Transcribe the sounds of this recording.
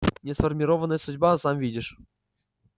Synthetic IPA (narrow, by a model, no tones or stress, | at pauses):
nʲɛsfərmʲiɾɔvənəjsudʲbasamvʲidʲiʂ